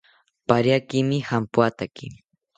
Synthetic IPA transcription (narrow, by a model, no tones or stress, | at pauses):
paɾjakɪmɪhampʊat̪akɪ